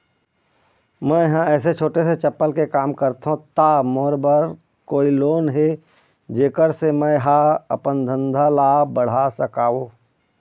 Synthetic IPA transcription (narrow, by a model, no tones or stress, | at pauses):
mɛ̃ɦãɛːset͡ʃʰoːʈeset͡ʃəpːəlkekaːmkəɾt̪ɦõt̪amoːɾbəɾ | koːiloːnɦe | d͡ʒeːkəɾsemɛ̃ɦãə̰pənd̪ʱə̃nd̪ʱalaːbəɽ̤asəkaːo